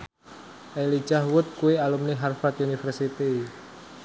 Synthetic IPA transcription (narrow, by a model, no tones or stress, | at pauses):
ʔeli̥d͡ʒ̥ahwʊt̪̚kuealumniɦarfat̪̚unifɛrsit̪i